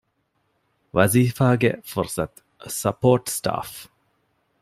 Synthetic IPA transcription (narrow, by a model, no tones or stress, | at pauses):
ʋɐziːfaːɡḛfɔɾsɐt̪ | sɐpoːʈsʈa̰ːf